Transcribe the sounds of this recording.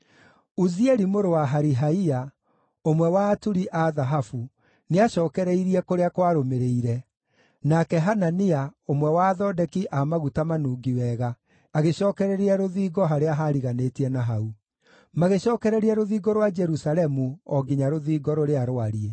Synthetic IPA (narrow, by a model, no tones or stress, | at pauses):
uziɛɾimoɾowaɦaɾiɦaia | omwɛwaːtuɾiʔaðaɦafu | neaɕɔːkɛɾɛiɾiɛkoɾeakwaɾomeɾeiɾɛ | nakɛɦananiaomwɛwaðɔdɛkiʔamaɣutamanuːɡiwɛːɣaː | ɣeɕɔːkɛɾɛɾiɛɾoðiːɡɔɦaɾeaɦaɾiɣanetiɛnaɦau | maɣeɕɔːkɛɾɛɾiɛɾoðiːɡɔɾwad͡ʒɛɾusalɛmuɔɡiɲaɾoðiːɡɔɾoɾeaɾoaɾie